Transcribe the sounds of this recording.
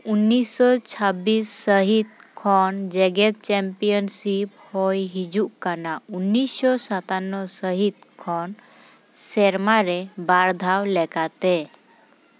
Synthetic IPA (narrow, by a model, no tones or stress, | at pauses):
unːisːɔt͡ʃʰabisːəɦit̪̚kʰɔnd͡ʒɛɡɛt̪̚t͡ʃɛmpijɔnsiphɔjɦid͡ʒuʔkanaunːisːɔsət̪anːɔsəɦit̪̚kʰɔn | sɛɾmaɾɛbaɾd̪ʱawlɛkat̪ɛ